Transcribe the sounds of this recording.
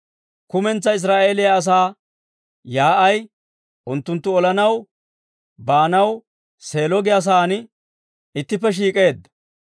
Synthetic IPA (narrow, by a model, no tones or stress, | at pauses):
kʊmɛnt͡sːɐɪs̬ɾaːʔe̞ːlɪjɐːs̬aː | jaːʔɐj | ʔʊnt̪ːʊnt̪ːʊɔlɐnɐw | baːnɐw | se̞ːlɔɡɪjas̬aːnɪ | ɪt̪ːɪpːɛʃ̬iːkʼe̞ːd̪